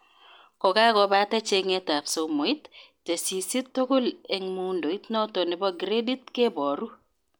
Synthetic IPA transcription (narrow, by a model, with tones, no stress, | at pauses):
kɔ˨ɡa˦ɡɔ˨ba˦tɛ˦t͡ʃe˦ŋe˦ta˨pso˨mo˨i˦t | te˨si˨si˦t̪ːo˦ko˦le˨ŋmu˦ndo˨i˦tnɔ˦to˨nɪ˨bɔ˦ɡɾe˦di˦t̪̚ke˦bɔ˨ɾu˦